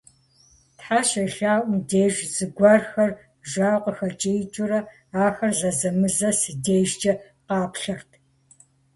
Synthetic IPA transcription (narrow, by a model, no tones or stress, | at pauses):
tħaːɕɐɬaːwʷmdeːʒzɨɡʷɑːrxɐr | ʒaːwqʷʼəxɐt͡ʃʼɪjt͡ʃʼʊɾɐ | aːxɐrzɐzɐmɨzɐsɨdeːʒd͡ʒɐ | qɑːpʷɬɐrtʰ